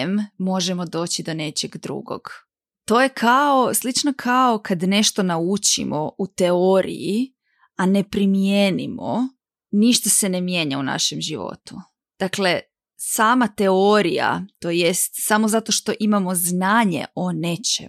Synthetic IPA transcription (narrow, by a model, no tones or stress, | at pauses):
mːo̞ʒemo̞d̪o̞ːt͡ɕid̪o̞ne̞t͡ʃeɡd̪ɾṵɡo̞̰ɡ̥ | t̪o̞ːjekʰao̞slˠit͡ʃnokʰao̞kʰad̪ne̞ʃt̪o̞naut͡ʃḭmout̪e̞oɾḭji | ane̞pɾimjeːnimo̰ | niʃt̪ase̞nemje̞ːɲauna̰ʃemʒiʋo̞̰t̪u | d̪̥akle̞ | saːmat̪eo̞ɾija̰t̪o̞ːje̞st̪samozat̪o̞ʃt̪o̞ʔimamo̞znaːɲḛʔo̞ne̞t͡ʃḛ